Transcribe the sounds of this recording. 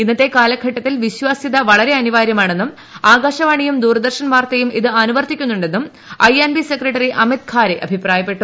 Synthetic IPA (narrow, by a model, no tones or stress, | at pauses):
inːɐt̪ːe̞kaːlɐkʰɐʈːɐt̪ːilʋiɕwaːsiðɐʋɐɭɐɾe̞ɐniʋaːɾjɐmaːɳe̞nːum | aːɡaːɕɐʋaːɳijumd̪uːrɐd̪ɐrɕɐnʋaːrt̪ɐjumiðɨɐnuʋɐrt̪ikʲːunːuɳɖe̞nːum | ɐjɐnʋisekrɐʈːɐriʔɐmit̪̚kʰaːɾeʔɐbʱipraːjɐpːe̞ʈːu